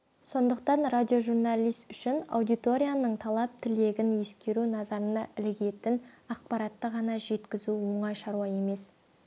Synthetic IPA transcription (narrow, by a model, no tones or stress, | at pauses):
so̞nd̪əq̚t̪ɑnrad̪ʲijo̞ʒurnalʲijst̪ʏʃɪnɑ̰wd̪ijt̪o̞ɾʲijanəɴt̪ʰɑlˠɑp̚t̪ʰɪle̞ɡʲɪnje̞skʲe̞ɾunɑzɑɾənɑʔɪlɪɡʲe̞t̪ɪnɑq̚pɑɾɑt̪ːəʁɑnɑʒe̞t̪kʲɪzuwoɴɑjʃɑɾuɑje̞me̞s